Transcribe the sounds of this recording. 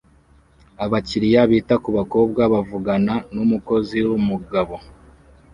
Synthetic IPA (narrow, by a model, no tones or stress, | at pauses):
aβaciɾijaβitakuβako̞ːb̚ɡaβavuɡananumuko̞ziwumuɡaβo̞